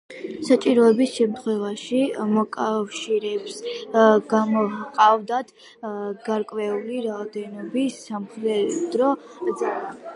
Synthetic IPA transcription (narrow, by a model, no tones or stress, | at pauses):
sat͡ʃʼiɾɔɛbisʃɛmt̪ʰχwɛvaʃimɔkʼafʃiɾɛbsɡ̥amɔqʼavd̪at̪ʰ | ɡ̥aɾkʼvɛuliɾaɔd̪ɛnɔbisːamχɾɛd̪̥ɾɔza